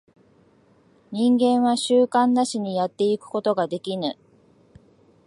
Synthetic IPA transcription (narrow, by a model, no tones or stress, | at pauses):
ɲ̟ĩŋɡẽ̞ɰ̃βaɕɨːkãnːaɕiɲ̟ijat̪ːe̞ikɯ̟̥ko̞t̪o̞ɡad̪e̞kʲinɯ